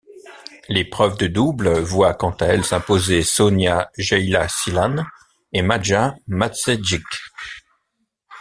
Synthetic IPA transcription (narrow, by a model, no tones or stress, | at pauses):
lepχœvd̪əd̪ublvwakɑ̃t̪aɛlsɛ̃pozesɔnjaʒɛjlasilan | emad͡ʒamat̪sed͡ʒik